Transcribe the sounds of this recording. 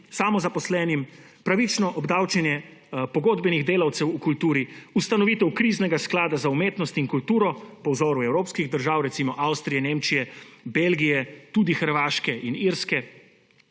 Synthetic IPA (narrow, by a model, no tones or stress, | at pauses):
saːmɔzapɔslɛːnim | pɾaʋit͡ʃnɔʔɔbd̪aːwt͡ʃɛnjɛpɔɡoːd̪bɛniɣd̪eːlawt̪sɛwukult̪uːɾiust̪anɔʋit̪ɛwkɾiːznɛɡasklaːd̪azaumeːt̪nɔst̪iŋkult̪uːɾɔpɔwzɔːɾuɛwɾoːpskiɣd̪əɾʒaːwɾɛtsimɔʔawst̪ɾijɛneːmt͡ʃijɛbelɡijɛt̪ud̪ixəɾʋaːʃkɛʔiniɾskɛ